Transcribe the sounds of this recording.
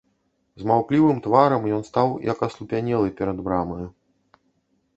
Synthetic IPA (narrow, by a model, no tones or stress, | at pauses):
zmawklʲivɨmt̪vaɾɐmjɔnst̪awjɐ̰kɐslˠupʲanʲɛlˠɐjpʲɛɾɐd̪bɾamɔju